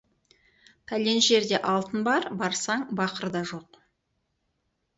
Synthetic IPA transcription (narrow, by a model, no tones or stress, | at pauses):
tʰæle̞nʒe̞ɾd̪e̞ʔɑlˠt̪ənbɑɾbɑɾsɑɴbɑqəɾd̪ɑʒo̞q